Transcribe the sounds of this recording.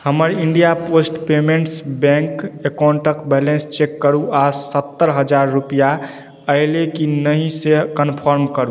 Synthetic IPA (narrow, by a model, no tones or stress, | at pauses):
həməɾiɳɖijaposʈpemeɳʈsbɛ̃ŋkekaɳʈəkbɛlenst͡ʃekːəɾuasət̪ːəɾɦəd͡ʒaɾːupija | əɪlekinəɦĩsekənpʰəɾmkəɾu